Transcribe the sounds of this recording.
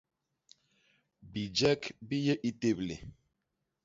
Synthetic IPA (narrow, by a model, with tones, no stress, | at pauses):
bi˨d͡ʒɛ˦kbi˦je˦ʔi˦te˦blḛ˨